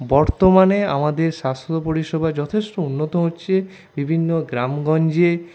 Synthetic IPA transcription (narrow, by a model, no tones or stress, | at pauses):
bɔɾt̪omanea̰mad̪eɾʃast̪opoɾiʃɔbʱad͡ʒɔt̪ʰesʈounːot̪oɦotːɕʰe | bibʱinːoɡɾamɡɔnd͡ʑe